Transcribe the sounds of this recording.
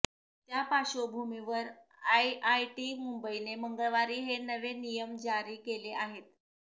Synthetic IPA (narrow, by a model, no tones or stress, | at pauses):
t̪japaɕobʱumiʋəɾ | ajʔajʈimumbəineməŋɡəɭʋaɾiːɦenəʋenijəmd͡ʑaɾiːkeleʔaɦet̪̚